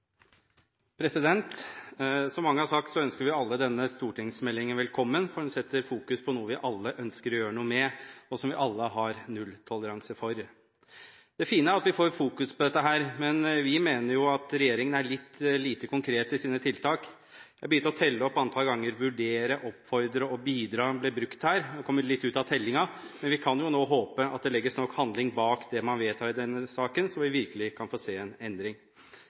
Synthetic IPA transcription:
pʰɾɛsɪd̪ɛnt̪ | sɔmːɑŋːəhɑɾsɑk̚t̪sɔœnskəɾʋɪɑlːəd̪ɛnːəst̪uːʈʰɪŋsmɛlːɪŋənʋɛlkʰɔmːənfɔɾhʉnsɛt̪ːəɾfuːkʉspʰɔnuːəʋɪʔɑlːəʔœnskəɾjøːɾəɳuːmɛɔsɔmʋɪʔɑlːəɦɑɾnʉlːt̪ʰɔləɾɑŋsəfɔɾ | d̪̥ɛfiːnəæɾɑt̪ʋɪfoːɾfuːkʉspʰɔd̪ɛt̪ːəɦæːɾmɛnʋɪmeːnəɾjʊɑt̪ɾɛjeːɾɪŋənæɭɪt̪ːliːt̪əkʊŋkʰɾeːt̪ɪsiːnət̪ʰɪlt̪ʰɑːk | jæbəjʏnːəɾɔt̪ʰɛlːəɔpːɑnt̪ʰɑlɡɑŋːəɾʋʉɖeːɾəʔɔpfɔɾd̪ɾəɔbiːd̪ɾɑːblɪbɾʉkt̪hæːɾɛkʰɔmːəɭɪt̪ːʉːt̪ɑt̪ʰɛlːɪŋɑmɛnʋɪkʰɑnjʊnoːɦoːpəɑ̰t̪̚d̪ɛlɛɡːəsnɔkhɑnd̪lɪŋbɑːkd̪ɛmɑnʋeːt̪ʰɑːɾɪd̪ɛnːəsɑːkənsɔʋɪʋɪɾkəlɪkʰɑnfoːseːɛnɛnd̪ɾɪŋ

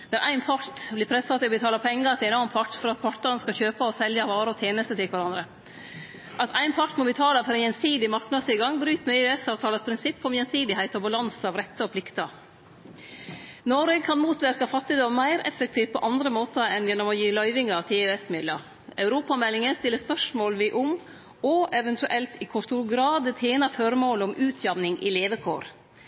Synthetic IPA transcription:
d̪ɑɾʔæɪnpʰɑɾʈ̪blɪpʰɾɛsfɑt̪ːɪɔbət̪ʰɑːlɑpʰɛŋːəɾɑt̪d̪ɛæɪnɔɾmpʰɑʈːfɔɾɑt̪̚pʰɑʈɑnəskɑçøːpəɔsɛljɑʋɑːɾəɔt̪ʰjeːnəst̪ət̪ʰɪlkʋæɾɑnd̪ɾə | ʔɑt̪ʰæɪnpʰɑʈmɔbət̪ʰɑːləfɔɾænjɛnsiːd̪ɪmɑɾknɑd̪sɪɡɑŋːbɾʉːt̪mɛøɛsɑːʋt̪ʰɑːləspʰɾɪnsɪpʰːɔɔmjɛnsiːd̪ɪhæɪt̪ɔbɑlɑnsɑʋɾɛt̪ːəɔpʰlɪkt̪ɑ | nɔɾɛɡ̚kʰɑnmuːt̪ʋæɾkɑfɑt̪ːɪd̪ɔmːæɪɾɛ̰fːək̚t̪ʰiːft̪̚pʰɔʔɑnd̪ɾəmoːt̪əɛnjɛnːɔmɔjiːlœʏʋɪŋɑʋt̪ʰɪøːɛsmɪd̪lə | ɑʉɾuːpɑmɛlːɪŋəst̪ɪlːəspœʂmoːlʋɪʔʊm | ɔɛʋɛnt̪ʉʔɛlt̪ɪkʰʊʂt̪uːɾɡɾɑːd̪ət̪ʰeːnɑfɔɾəmoːləɔmʔʉːt̪ʰjɑʋnɪŋʔɪ̰leːʋəkʰo̰ːɾ

